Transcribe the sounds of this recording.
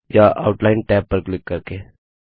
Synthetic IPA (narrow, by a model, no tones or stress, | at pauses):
jaʔaʊʈlaɪnʈɛːpːəɾklɪkːəɾke